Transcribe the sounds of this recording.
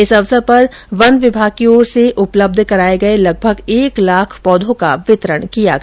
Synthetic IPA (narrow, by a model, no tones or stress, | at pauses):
ɪsɐʋsəɾpɐɾ | ʋɐnʋɪbʱaːɡ̚kioːɾseʔʊpləb̚d̪ʱkɐɾaːeɡɐelɐɡ̚bʱəɡeːklaːkʰpɔːd̪ʱõka̰ʋɪt̪ɾəɽ̃kija̰ɡ